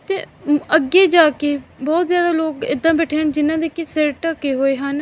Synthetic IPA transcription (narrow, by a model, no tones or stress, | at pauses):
t̪ḛːəɡeːd͡ʒaːkeːbɔːt̪zjaːd̪aːloːkɪ̰d̪ːãːbɛːʈʰeːnd͡ʒɪnãːd̪eːkɪseɾʈaːkeːɦoːeːɦaːn